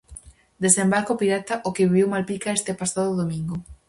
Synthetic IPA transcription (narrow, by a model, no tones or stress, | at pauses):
d̪esembaɾkopiɾat̪aʔokeβiβewmalpikaest̪epasaðʊðomĩŋɡo